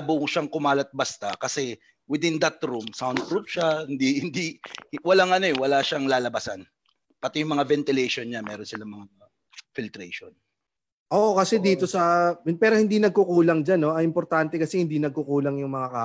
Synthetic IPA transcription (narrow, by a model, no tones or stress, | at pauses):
bʊʔʃaŋkʊmaːlɐt̪̚bɐst̪akɐsɛ | wɪd̪ɪnd̪ɐt̪ɾumsawnd̪̚kɾup̚ʃahɪnd̪ihɪnd̪ihwɐlaŋʔɐnoɛwɐlaʃaŋlaːlɐbɐsan | pɐt̪ɪjʊŋmɐŋavɛnt̪ɪlɛjʃo̞nɲamɛːɾonsɪlaŋmɐŋa | fɪlt̪ɾɛʃo̰n | ʔoːʔokɐsɛd̪iːt̪o̞sɐpɛːɾo̞hɪnd̪inɐɡ̚kʊkuːlɐŋd͡ʒanːo̞ɐʔɪmpoɾt̪ant̪ɛkɐsɛhɪnd̪inɐɡ̚kʊkuːlɐŋjʊŋmɐŋakaː